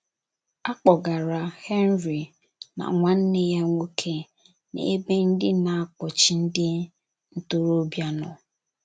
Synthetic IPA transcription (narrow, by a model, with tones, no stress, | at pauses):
a˦k͡pɔ˨ɡa˨ɾa˨he˦n˦ɾi˨ | na̰˨ŋʷa˨n̩˦ne˦ja˦ŋʷo˦kʰe˦ | nḛ˨e˦be˦n̩˦dɪ˦na˨a˦k͡pɔ˨t͡ʃɪ˨n̩˦dɪ˦ | n̩˦to˦ɾo˦bja˦nɔ˨